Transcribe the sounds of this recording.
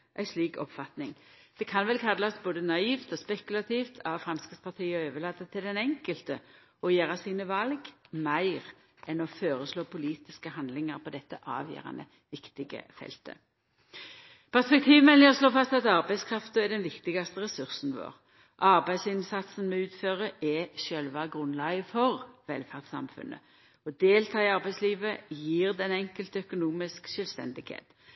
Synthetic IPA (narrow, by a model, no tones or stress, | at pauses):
ʔæɪsliːkɔ̰pfɑt̪nɪŋ | d̪̥ɛkʰɑnʋɛlkʰɑd̪lɑsboːd̪ənɑiːft̪ɔspɛkʉlɑt̪ʰiːft̪ʰɑʋfɾɑnskəspʰɑʁt̪ʰiːəɔøːʋəɭɑːt̪ːət̪ʰɪld̪ɛnɛŋkəlt̪ə | ɔjæːʁɑsiːnəʋɑlɡmæɪʁ | ɛnɔføːʁəsloːpʰʊliːt̪ɪskəɦɑnd̪lɪŋəʁpʰɔd̪ɛt̪ːəʔɑ̰ːʋjø̰ːʁɑ̰nə̰ | ʋɪkt̪ɪɡə̰fɛ̰lt̪ə̰ | pʰæʁspɛk̚t̪ʰiːʋmɛnɪɔsloːfɑst̪ɑt̪ɑʁbæɪskʰʁɑft̪əɛd̪ɛnʋɪkt̪ɪɡɑst̪əʁɛsʉʁsn̩ʋo̰ːʁ | ʔɑʁbæɪsɪnsɑt̪sn̩mɛʉːt̪føːʁəʔɛʃœlʋɑɡʁʉnlɑːɡəfɔʁʋɛlfæʁt̪sɑ̰mfʉ̰nʔə̰ | ɔd̪eːlt̪ʰɑːɪɑʁbæɪsliːʋəjiːʁd̪ɛnɛŋkəlt̪œkʊnuːmɪskʃœlst̪ɛ̰nd̪ɪɡhḛːt̪